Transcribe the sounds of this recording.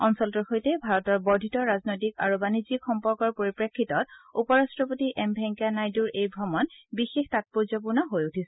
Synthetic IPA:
ɔnsɔltuɹxojtɛbʱaɹɔtɔɹbɔɹdʱitɔɹaznojtika̰ɹubanizixɔmpɔɹkɔɹpoɹipɹekʰːitɔt̚upɔɹastɹɔpotiʔɛmbʱɛŋkanajduɹejbʱɹɔmɔnbixextat̚puɹzɔp̬uɹnɔɦojutʰisɛ̥

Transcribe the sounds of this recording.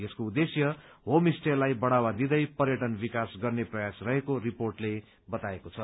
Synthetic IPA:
eskoud̪esjʌɦomisʈelːajbʌɽ̃awad̪id̪ʌjpʌrjʌʈʌnbikasɡʌrneprʌjasrʌɦekoriporʈle | bʌt̪aekot͡sʰʌ

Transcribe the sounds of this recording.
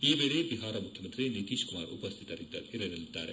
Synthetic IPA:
iːbeːɭebiɦaːɾɐmukʰjɐmɐnt̪ɾinit̪iːʃkumaːɾṵpɐst̪ʰi̥t̪ɐɾid̪ɐ̰iɾɐɾɐlid̪ːa̰ːɾḛ

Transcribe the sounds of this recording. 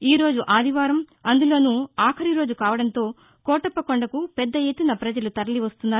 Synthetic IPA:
iːɾo̞ːd͡ʒuʔaːd̪ʱiʋaːɾɐmɐnd̪ulo̞ːnuaːkʰɐɾiɾoːd͡ʒukaːʋɐɽɐnt̪o̞ː | kɔːʈɐpːɐkoɳɖɐkupɛd̪ːɐjet̪ːunɐpɾɐd͡ʒɐlut̪ɐɾɐliʋɐst̪unːaː

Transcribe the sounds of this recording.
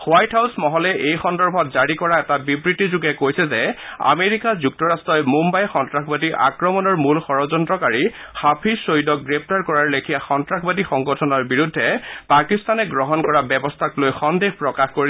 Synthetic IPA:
xwajtʰɦawsmɔɦɔlɛʔejxɔndɔɹbʱɔtzaɹikɔɹaɛtabibɹitːizuɡɛkojsɛzɛa̰meɹikazuk̚tɔɹastɹɔjmumbajxɔntɹakʰbadiʔa̰kɹɔmɔnɔɹmulxɔɹɔzɔntɹɔkaɹi | xapʰisoidɔk̚ɡɹep̚ʰtaɹkɔɹaɹlekʰijaxɔntɹakʰbadixɔŋɡɔtʰɔnɔɹbiɹudʱːɛpakist̪ʰanɛɡɹɔɦɔnkɔɹabɛbɔstʰaklojxɔndexpɹɔkaxkoɹi

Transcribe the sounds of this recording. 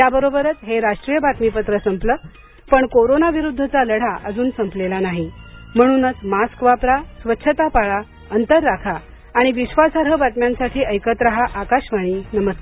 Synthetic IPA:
jjabəɾobəɾət͡sɦeɾaʂʈɾijəbat̪mipət̪ɾəsəmpləː | pəɳkoɾonaʋiɾud̪ʱːət͡saləɽ̤aʔəd͡zuːnsəmplelanaɦim̤əɽ̃uːnət͡smaskʋapɾasʋətːɕʰət̪apaɭa | ənt̪əɾːakʰaː | ɽ̃iʋiɕʋasaɾɦəbʱat̪mjãnsaʈʰiːʔəjkət̪ɾaɦaʔakaɕʋaɽ̃iːnəməskaɾ

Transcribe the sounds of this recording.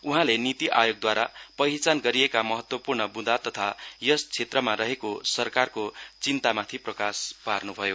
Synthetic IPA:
uɦãlenit̪iʔajoɡ̚d̪waɾapʌɦit͡sanɡʌɾiekamʌɦʌt̪wʌpurnʌbud̪ʱat̪ʌt̪ʰajʌst͡sʰet̪rʌmarʌɦekosʌrkarkot͡sint̪amat̪ʰiprʌkasparnubʱʌjo

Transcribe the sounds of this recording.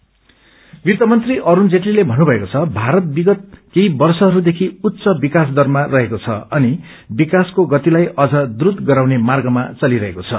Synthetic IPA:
bit̪ʌmʌnt̪riʔʌɾund͡zeʈlilebʱʌnːubʱʌekot͡sʰʌbʱaɾʌt̪̚biɡʌt̪̚keibʌrsʌɦʌɾud̪ekʰiut̪ːsʌbikasd̪ʱʌrmarʌɦekot͡sʰʌ̰ʌni | bikaskoɡʌt̪ilajʌd͡zʌd̪uɾut̪ɡʌɾawnemarɡʌmat͡sʌliɾʌɦekot͡sʰʌ̰

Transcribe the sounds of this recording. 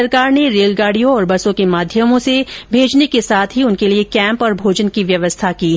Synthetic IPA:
ɐɾkaːɾneɾeːlɡaːɽijõɔːɾbɐsõkemaːd̪ʱjəmõsebʱeːd͡ʒnekesaːt̪ʰɦiʊnkeliekɛ̃ːmpɔːɾbʱoːd͡ʒənkiʋjɐʋəst̪ʰakiː

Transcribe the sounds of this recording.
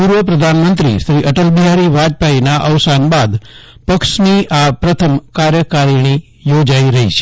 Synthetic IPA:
puɾʋəpɾəd̪ʱanmənt̪ɾḭʃɾiʔəʈəlbiɦaɾiʋad͡ʒpainaʔəʋsanbad̪pəkʃniapɾət̪ʰəmkaɾjəkaɾiɽ̃i | jod͡ʒaiɾəɦit͡ʃʰe

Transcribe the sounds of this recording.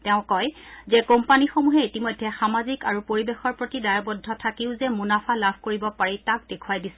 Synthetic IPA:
tɛʊ̃kɔjzɛkompanixomuɦɛitimɔjdʱːɛxamazikaɹupoɹibexɔɹpɹotidajabɔdʱɔtʰakiʊzɛmunapʰalabʱkoɹibɔpaɹitak̚dekʰuajdisɛ

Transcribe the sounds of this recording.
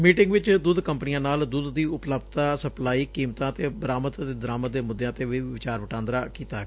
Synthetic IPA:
miːʈɪŋɡʋɪt͡ʃd̪uːd̪kəmpniːãːnaːld̪uːd̪d̪iːʊpləbt̪aːsəplaːiːkiːmt̪ãːt̪eːbəɾaːmət̪t̪eːd̪əɾaːmət̪̚d̪eːmʊd̪ːjãːt̪eːʋiːʋɪt͡ʃaːɾʋəʈãːnd̪ɾaːkiːt̪aːɡ

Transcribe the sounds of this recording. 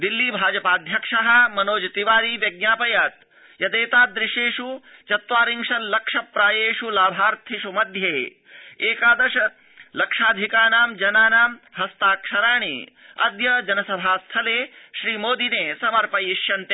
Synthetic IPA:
d̪ilːiːbʱaːd͡ʒɐpaːd̪ʱjɐkʂɐɦɐ̆mɐnoːd͡ʒɐt̪iʋaːɾiːʋjɐɡ̚naːpɐjaːt̪ | jɐd̪eːt̪aːd̪ɾɪʃeːʂut͡ʃɐt̪ʋaːɾiŋʃɐlɐkʂɐpɾaːjeːʂulaːbʱaːɾt̪ʰiʃumɐd̪ʱjeː | eːkaːd̪ɐʃɐ | lɐkʂaːd̪ʱikaːnaːmd͡ʒɐnaːnaːmɦɐst̪aːkʂɐɾaːɳḭ | ɐ̰d̪jɐd͡ʒɐnɐsɐbʱaːst̪ʰɐleːʃɾiːmoːd̪ineːsɐmɐɾpɐjiʃjɐnt̪eː

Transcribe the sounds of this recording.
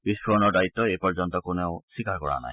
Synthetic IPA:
bisboɔnɔɾd̪ait̪ːɔepɔɾd͡ʑɔnt̪ɔkonewsikaɾkɔɾa̰na̰j

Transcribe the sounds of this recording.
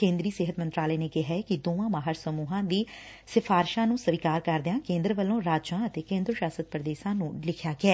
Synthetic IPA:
kẽːnd̪ɾiːsɪɦət̪mənt̪ɾaːlɛːneːkɪɦɛːkɪd̪oːãːmaːɦəɾsəmuːɦãːd̪iː | sɪfʰaːɾɪʃãːnũːsəʋiːkaːɾkəɾd̪ɪãːkẽːnd̪ɾəʋəlːõːɾaːd͡ʒãːət̪eːkẽːnd̪ɾəʃaːsət̪̚pɾəd̪eːʃãːnũːlɪkʰjaːɡɪɛː

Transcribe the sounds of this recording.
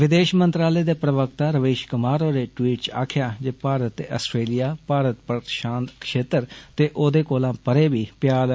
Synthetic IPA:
ʋɪd̪eːʃmənt̪ɾaːleːd̪eːpɾəʋəkt̪aːɾəʋeːʃkəmaːɾoːɾeːʈwiːʈt͡ʃa̰ːkʰɪjaːd͡ʒeːpaːɾət̪ːeːʔəsʈɾeːlɪjaːpaːɾət̪pəʃãːnt̪kʃeːt̪əɾt̪eːʔoːd̪eːkoːlãːpəɾeːbiːpjaːl

